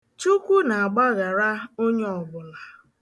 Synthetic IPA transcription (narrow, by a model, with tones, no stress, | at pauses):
t͡ʃu˦kʷu˦na˨a˨ɡ͡ba˦ɣa˨ɾa˦o˦ɲe˦ɔ˨ɡʊ˨la˨